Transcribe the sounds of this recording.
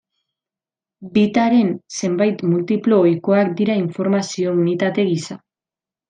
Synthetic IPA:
bit̪aɾe̞nse̞mbajt̪mult̪iplo̞ːjko̞akd̪iɾaiɱfo̞ɾmasio̞unit̪at̪e̞ɣisa

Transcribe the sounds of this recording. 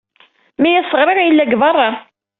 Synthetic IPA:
mæjæsːəʁɾɪɾjəlːæɡvɑrˤːɑ

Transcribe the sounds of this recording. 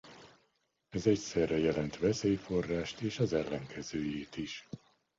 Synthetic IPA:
ɛzɛcsɛrːɛjɛlɛnt̪ʋɛseːjfo̞rːaːʃt̪eːʃɒzɛlːɛŋkʰɛzøːjeːt̪iʃ

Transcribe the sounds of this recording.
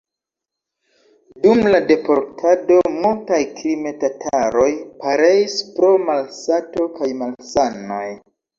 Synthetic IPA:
dumlade̞po̞ɾtʰado̞multajklime̞tatʰaɾo̞jpaɾe̞ispɾo̞malsato̞kajmalsano̞̰j

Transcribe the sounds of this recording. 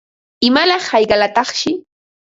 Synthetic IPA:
ɪmalɑχhɑjɢɑlat̪ɑχʃɪ

